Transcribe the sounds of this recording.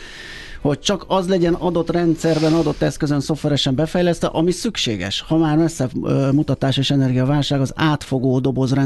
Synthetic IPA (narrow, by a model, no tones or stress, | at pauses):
ho̞c̚t͡ʃɒkɒzlɛɟɛnɒd̪o̞t̪rɛnt̪sɛrbɛnɒd̪o̞t̪ːɛskøzønso̞fvɛɾɛʃɛmbɛfɛjlɛst̪ɛ̰ʔɒmisykʃeːɡɛ̰ʃhɒmaːrmɛsːɛmut̪ɒt̪aːʃeːʃɛnɛrɡijɒvaːlʃaːɡɒzaːt̪fo̞ɡoːd̪o̞bo̞zrɛ